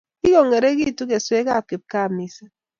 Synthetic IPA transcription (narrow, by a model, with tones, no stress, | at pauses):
i˦ko˨ŋe˨ɾe˦ki˦˨tu˦k̬e˨swe˦ka˦˨ke˨p̚ka˦˨mi˨sa˦